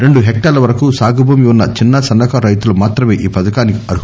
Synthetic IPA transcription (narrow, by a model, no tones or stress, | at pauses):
ɾe̞ɳɖuɦek̚ʈaːlɐʋɐɾɐkusaːɡʱɐbʱuːmiunːɐt͡ʃinːɐsɐnːɐkɐɾɐjt̪ulɐmaːt̪ɾɐmeːʔiːpɐd̪ɐkaːnikɐɾu